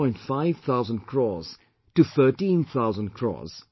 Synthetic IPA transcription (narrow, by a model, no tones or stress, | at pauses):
ɔ̃ɪ̃ntfaɪv̥θʰaʊzə̃ndkʰɹɔ̰z̥ | tɨθɜ˞tĩnθʰaʊzə̃nkʰɹ̥ɔ̰z̥